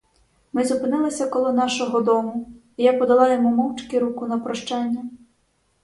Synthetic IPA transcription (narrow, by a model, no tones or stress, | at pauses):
mɪzʊpɪnɪlˠɐsʲɐkɔlˠɔnɑʃɔɦɔd̪ɔmʊ | ijapɔd̪ɐlˠɑjemumɔwt͡ʃkiɾukʊnɐpɾɔʃt͡ʃanʲːɐ